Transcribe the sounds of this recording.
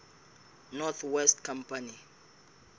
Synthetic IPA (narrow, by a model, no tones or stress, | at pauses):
nɔt̪ʰwɛstkʰãmpʰani